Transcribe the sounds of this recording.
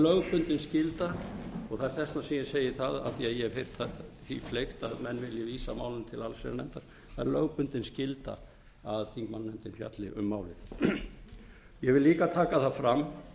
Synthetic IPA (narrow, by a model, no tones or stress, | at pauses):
lœɣpʏnt̪ɪnscɪlt̪aɔɣθaɛɾ̥θɛstnasiːjɪseːjɪθaða̰θiaðjɛɣfeɾ̥t̪aθḭflejxt̪aðmɛnːvɪljɪviːsamaːwlɪnt̪ʰɪlalsɛ̰ɾanɛ̰nt̪aɾ | θaðɛɾlœɣpʏnt̪ɪnscɪlt̪a̰ | aðθiŋkmanːnɛnt̪ɪnfja̰t̪lɪʔʏ̰mːaːwlɪθ | jɛɣvɪliːkat̪ʰaːkaθaðfɾamː